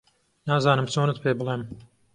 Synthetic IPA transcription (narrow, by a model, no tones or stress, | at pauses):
naːzaːnɐmsuːnɨt̪pʲeːblˠeːm